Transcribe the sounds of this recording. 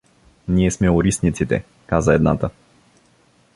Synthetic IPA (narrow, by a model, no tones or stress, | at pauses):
niɛsmɛɔɾisnit̪sit̪ɛ̰ | kazaɛd̪nat̪a